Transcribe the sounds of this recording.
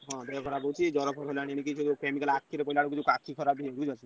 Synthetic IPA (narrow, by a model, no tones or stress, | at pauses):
ɦɔ̃bejɔkʰɔɾabowt͡ʃʰid͡ʒɔɾɔkʰɔɾɦolaɽ̃ieɽ̃ikit͡ʃʰuukemikalakʰːiɾepɔilaɽukit͡ʃʰukakʰikʰɔɾabieɾud͡ʒat͡ʃʰi